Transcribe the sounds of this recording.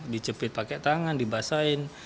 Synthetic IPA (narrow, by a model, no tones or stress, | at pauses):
dit͡ʃəpɪt̪̚pakɛʔt̪aŋandibasaɪn